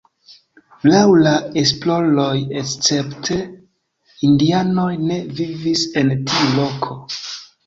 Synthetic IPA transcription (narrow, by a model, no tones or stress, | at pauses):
lawlae̞splo̞lo̞jest͡se̞ptʰe̞ | indiano̞jne̞vivise̞ntiulo̞kʰo̞